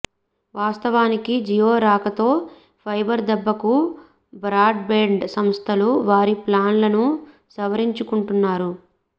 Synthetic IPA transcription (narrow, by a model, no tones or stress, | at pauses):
ʋaːst̪ɐʋaːnikid͡ʒijoːɾaːkɐt̪o̞ː | pʰɐjbɐɾd̪ɛbːɐku | bɾaːɖbeːɳɖsɐmst̪ʰɐluʋaːɾiplaːnlɐnu | sɐʋɐɾiɲt͡ʃukuɳʈunːaːɾu